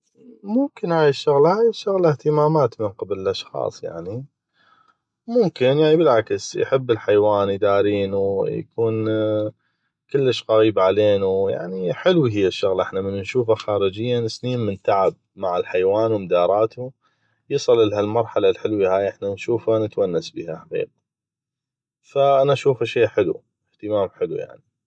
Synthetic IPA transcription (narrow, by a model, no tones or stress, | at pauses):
mʊmkɪnhaːjaʃːʊɣlahaːjaʃːʊɣlaht̪əmaːmaːt̪mənqɪblɪlʔɑʃxɑ̰ːsˤja̰ʕni | mʊmkɪnjaʕnibɪlʕaksjħɪbːɪlħajwaːnjd̪aːɾiːnuja̰kuːn | kɪlːəʃqɑɾiːbaʕaleːnuja̰ʕniħɪlwiɦɪjːaʃːʊɣlʔɪħnamɪnːnʃuːfaxaːɾɪd͡ʒɪjːansniːnmɪnt̪aʕab̚maʕalħajwaːnwmd̪ɑːɾˤɑːt̪u | jɨsˤɨlɪlɦalmɑɾˤħalalħɪlwihaːjʔɪħnanʃuːfanət̪wanːasbḭːhaħaqḭːq̚a | faʔanaʔaʃuːfaʃeːħɪlṵ | ɪht̪ɪmaːmħɪluja̰ʕni